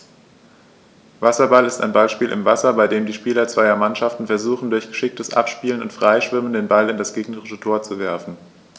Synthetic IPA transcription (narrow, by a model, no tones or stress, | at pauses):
vasɐbalɪsta̰ɪnbalʃpiːlʔɪ̰mvasɐbaɪdeːmdiːʃpiːlɐt͡sv̥aɪɐmanʃaftn̩fɛɐzuːχn̩dʊɐçɡ̥əʃɪk̚təsʔa̰pʃpiːlənʊ̰ntfʁ̥aɪʃv̥ɪməndeːnbalɪndasɡ̥eːɡnəʁɪʃətʰoːɐt͡suvɛɐfn̩